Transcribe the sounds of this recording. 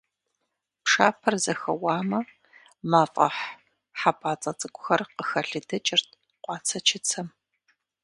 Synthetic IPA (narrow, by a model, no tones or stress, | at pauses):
pʂaːpʰɐrzɐxɐwɑːmɐ | maːfʼɐ̰ħ | ħapʼaːt͡sʼɐt͡sʼɨkʷʼʊxɐrqəxɐɬɨdɐt͡ʃʼɪrtʰ | qʷɑːt͡sʰɐt͡ʃʰɪt͡sʰɐm